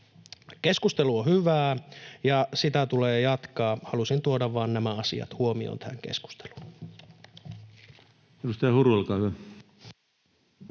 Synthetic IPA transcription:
keskust̪eluohyʋæːjɑsit̪æt̪uleːjɑt̪kɑːhɑlusint̪uodɑʋʋɑːnnæmæɑsḭɑ̰t̪huomio̰nt̪ææŋkḛsku̥st̪e̥lu̥n | edust̪ɑjɑhuɾuelkɑːhyæ

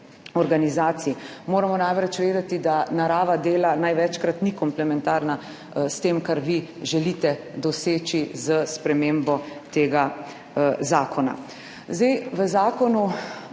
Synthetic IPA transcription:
ɔɾɡanizaːt̪simoːɾamɔnajʋɾɛt͡ʃʋeːd̪ɛt̪id̪anaɾaːʋad̪eːlanajʋɛt͡ʃkɾat̪nikɔmplɛmɛnt̪aːɾna | st̪eːmkaɾʋiʒɛlit̪ɛd̪ɔseːt͡ʃizəspɾɛmeːmbɔt̪eːɡa | zaːkʰɔna̰ | zd̪ɛjʋəzaːkɔnu

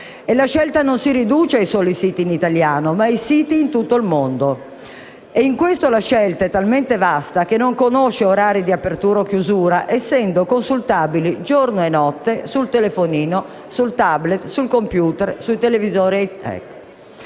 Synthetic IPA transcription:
elaʃɛlt̪anonsiɾid̪uːt͡ʃeajsɔːlisiːt̪iːnit̪aljaːnomaisiːt̪iːnt̪ut̪ːoilmond̪o | eiŋkwest̪olaʃɛlt̪aɛt̪ːalment̪evast̪ak̟enːoŋkonoʃeoɾaːɾid̪iapːert̪uːɾok̟juzuːɾaʔɛsːɛnd̪okonsult̪aːbilid͡ʒornoenɔt̪ːesult̪elefoniːno | sult̪ablɛt̪sulkompjuːt̪ɛrsuit̪elevizɔːɾiɛt̪ɛ̰k

